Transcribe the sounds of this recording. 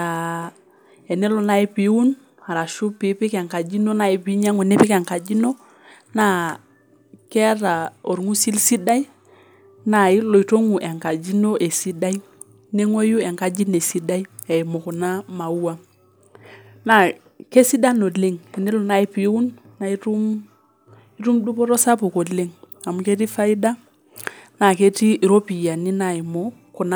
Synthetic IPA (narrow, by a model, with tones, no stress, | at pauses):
a˨ | ɛ˨ne˦lu˨na˦i˦pi˨˦u˦n | ha˨ɾa˨ʃu˦pi˨˦pɪ˦kɛ˨ŋka˨d͡ʒi˦no˦na˨i˦pi˦ɲa˦ŋu˨ne˦pɪ˦kɛ˨ŋka˨d͡ʒi˦no˦ | na˦ | kɛ˦ɾa˨o˨ɾŋu˦si˦lsi˦da˦i˦ | na˨i˦lo˨i˨to˦ŋu˨ʔɛ˨ŋka˨d͡ʒi˦no˦ʔe˨si˦da˦i˦ | ne˦ŋo˦ju˦e˨ŋka˦d͡ʒi˦ne˨si˦da˦i˦ | e˨i˨mo˨ku˨na˦ma˨u˦a˦ | na˨ | ke˦si˦da˦no˨le˦ŋki˨ni˦lɔ˨na˨i˦pi˨˦u˦nː | a˨i˦tu˦m | i˦tu˦mdu˦pɔ˦ɾo˦sa˦pu˨ko˨dle˦ŋ | a˨mu˨ke˦ti˦fa˦i˦da˦ | na˨ke˦ti˦˨ɾo˦pi˨ja˨ni˦na˨i˨mo˦ | ku˨na˦